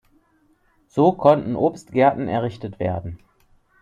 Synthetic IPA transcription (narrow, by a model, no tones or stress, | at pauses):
z̥oːkʰɔntn̩ʔoːpstɡ̥ɛɐtn̩ɛ̰ɐʁɪçtətv̥ḛːɐdn̩